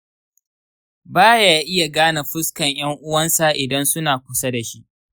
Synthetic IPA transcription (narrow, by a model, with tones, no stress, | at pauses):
baː˦ja˨ʔɪ˦ja˨ɡaː˦na˨ɸʊ˦skɐ˨ɲj̰ɐ˦ŋʔʊ˦wɐ˦nsa˨ʔɪ˨dɐ˦nsʊ˦naː˨kʷʊ˦sa˦da˨ʃi˦ʔ